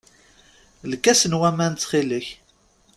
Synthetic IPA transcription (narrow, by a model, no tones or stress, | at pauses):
lkːæsənwæmænt̪ːχiləç